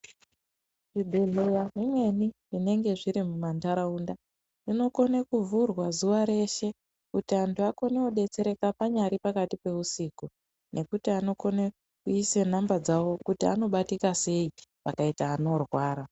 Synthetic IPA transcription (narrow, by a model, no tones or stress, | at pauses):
ʐibʱeɮejamimwe̞nirine̞ŋɡe̞ʐiɾimumantaɾaunda | nino̞ko̞nekuvurwazuʋaɾe̞ʃe̞ | kutiantuako̞neoɗe̞t͡se̞ɾe̞kapaɲaɾipakatipe̞usiku | nʔe̞kutiano̞ko̞ne | kuisenambad͡zawo̞kutia̰no̞ɓatikase̞iʋakaitaːno̞rwaːɾa